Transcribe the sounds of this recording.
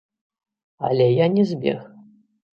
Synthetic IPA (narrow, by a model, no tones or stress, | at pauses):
ɐ̰lʲɛjanʲɛzʲbʲɛ̰x